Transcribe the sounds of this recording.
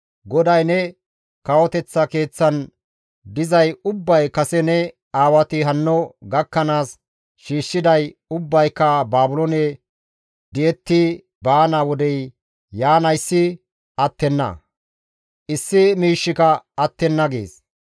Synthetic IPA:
ɡɔd̪ɐjnɛ | kɐwɔt̪ɛt͡sːɐke̞ːt͡sːɐn | d̪ɪzɐjʊbːɐjkɐsɛnɛ | aːwɐt̪ɪɦɐnːɔɡɐkːɐnaːs | ʃiːʃːɪd̪ɐjʊbːɐjkːɐbaːbʊlɔnɛ | d̪ɪjɛt̪ːɪ | baːnawɔd̪ɛj | jaːnɐjsːɪ | ɐt̪ːɛnːɐ̰ | ʔɪsːɪmiːʃːɪkɐɐt̪ːɛnːɐɡḛːs

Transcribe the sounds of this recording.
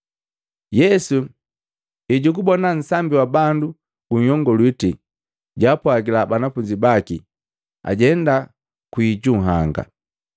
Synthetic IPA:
jɛsu | iɟukubɔnan̩sambiwabandu | ɡ̥uɲ̩ɔŋɡɔlwiti | ɟaːpwaɡilabanafuɲd͡ʒibaki | a̰ɟɛnda | kwiɟuŋɦaŋɡa̰

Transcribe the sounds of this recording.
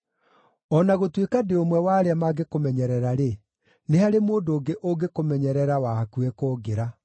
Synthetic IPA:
ɔnaɣotwekadeomwɛwaːɾeamaɡekomɛɲɛɾɛɾaɾe | neɦaɾemoːndoːɡeʔoɡekomɛɲɛɾɛɾawakuɛkoːɡeɾa

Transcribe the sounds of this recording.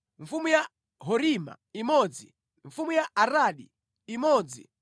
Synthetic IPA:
ɱfumuja | ɦɔɾima̰ | imɔd͡zi | ɱfumujaʔaɾaɗiː | mɔd͡zi

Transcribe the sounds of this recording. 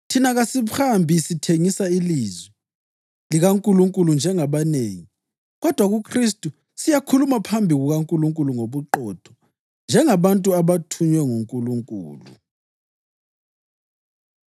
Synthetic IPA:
tʰinaɣasiβuhambʱisitʰeŋisailiːzwɛ | liɣaŋkʼuluŋkʼulund͡ʒʱɛŋaβaneːŋi | ɣɔd̥ʱwaɣukʰristʼu | sijakʰulumapʰambʱiɣuɣaŋkʼuluŋkʼuluŋoβuǃɔd̥ʰʱɔ̥ | nd͡ʒʱɛŋaβantʼuaβatʰuɲwɛŋuŋkʼuluŋkʼṵːlṵ

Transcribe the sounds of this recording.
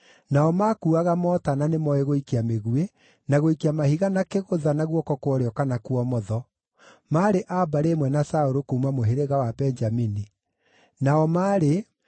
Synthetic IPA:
naɔmakuaɣamɔtananemɔeɣoikeameɣue | naɣoikeamahiɣanakeɣoðanaɣwɔkɔkwɔɾeɔkanakwɔmɔðɔ | maɾeʔabaɾemwɛnasaoɾokoumamoɦeɾeɣawabɛɲd͡ʒamini | naɔmaɾe

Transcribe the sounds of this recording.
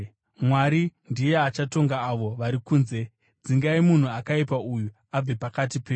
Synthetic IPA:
mwaɾindije̞at͡ʃato̞ŋɡaːʋo̞ʋaɾikuːnze̞ | d͡ziŋɡaimun̤uakaipauju | ab͡vepakat̬ipeːu

